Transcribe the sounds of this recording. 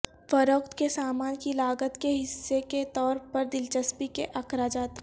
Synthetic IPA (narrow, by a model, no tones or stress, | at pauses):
fɐɾokt̪kesaːmaːnkilaːɡət̪keɦɪsːeket̪ɔːɾpɐɾd̪ɪlt͡ʃəspikeʔɐkɾaːd͡ʒaːt̪